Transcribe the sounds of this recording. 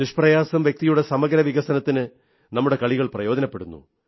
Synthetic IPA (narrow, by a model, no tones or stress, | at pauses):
niʂprɐjaːsɐmʋjek̚t̪ijuɽe̞sɐmɐɡɐɾɐʋiɣɐsɐnɐt̪ːinɨ | nɐmːuɽe̞kɐɭiɣɐɭprɐjo̞ːd̪ɐnɐpːe̞ɽunːṵ